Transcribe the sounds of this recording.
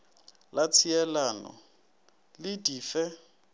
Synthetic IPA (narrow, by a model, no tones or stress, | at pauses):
lat͡sʰiɛlanɔ̰ | lɪdʼiːfɛ